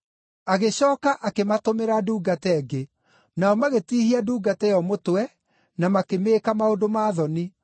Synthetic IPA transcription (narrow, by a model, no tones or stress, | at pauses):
aɣeɕɔːkaʔakematomeɾaduːɡatɛɛɡe | naɔmaɣetiːhiaduːɡatɛjɔmotwɛ | namakemeːkamaodomaːðɔni